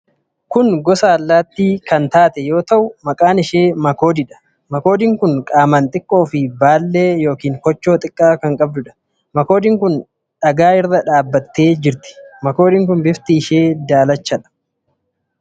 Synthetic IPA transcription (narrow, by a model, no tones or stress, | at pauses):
kʊŋɡɔsaːlːaːt̪ːiːkɐnt̪aːt̪ɛjo̞ːt̪ɐʔʊmɐkʼaːnɪʃeːmɐko̞ːd̪ɪᶑɐ̥ | mɐko̞ːd̪ɪŋkʊŋkʼaːmɐnt̪ʼɪkʼːo̞ːfɪbaːlːe̞ːjo̞ːkiːŋkɔt͡ʃːo̞ːt̪ʼɪkʼːaːkɐŋkʼɐb̚d̪ʊᶑɐ̥ | mɐko̞ːd̪ɪŋkʊn | ᶑɐɡaːɪrːɐᶑaːbːɐt̪ːe̞ːd͡ʒɪɾt̪ɪ̥mɐko̞ːd̪ɪŋk̬ʊnbɪft̪ɪːʃe̞ːd̪aːlɐt͡ʃːɐᶑɐ̥